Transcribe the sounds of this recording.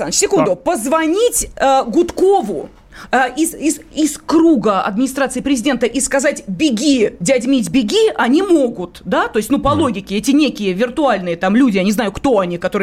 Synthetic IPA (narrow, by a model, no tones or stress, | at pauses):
anʲsʲɪkund̪ʊpəzvɐnʲitʲəɡʊt̪kovʊ | izɪsɪskɾuɡəɐ̰d̪mʲɪnʲɪst̪ɾat̪sɨɪpɾʲɪzʲɪdʲe̞nt̪əʔiskɐzatʲbʲɪɡʲidʲɐdʲmʲitʲbʲɪɡʲiʔɐnʲimo̞ɡʊt̪d̪at̪o̞ɪsʲtʲnupɐlˠo̞ɡʲɪkʲɪɛtʲɪnʲekʲɪjəvʲɪrt̪ʊalʲnɨjət̪amlʲudʲɪjanʲɪzajʊkt̪o̞ɐnʲikɐt̪o̞ɾɨ